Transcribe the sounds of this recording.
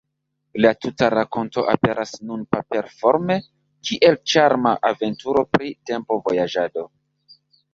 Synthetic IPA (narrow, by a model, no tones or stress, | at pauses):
latutaɾako̞nto̞ʔa̰pe̞ɾʔasnunpape̞ɾfo̞ɾme̞ | kʰiʔe̞lt͡ʃaɾmaʔave̞ntuɾo̞pɾite̞mpo̞vo̞jad͡ʒado̞